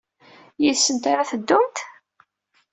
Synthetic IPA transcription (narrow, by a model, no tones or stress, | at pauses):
jisːənt̪aɾaθəd̪ːʊmt̪